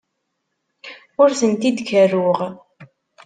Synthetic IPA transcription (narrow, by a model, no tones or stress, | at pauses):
ʊɾθənt̪id̪kərːʊʁ